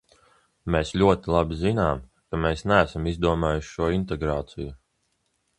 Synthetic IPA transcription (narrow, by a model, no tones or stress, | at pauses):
meːslʲuɔt̪ilˠabizinaːm | kameːsnææsamizd̪uɔmaːjuʃʃuɔint̪eɡɾaːt̪siju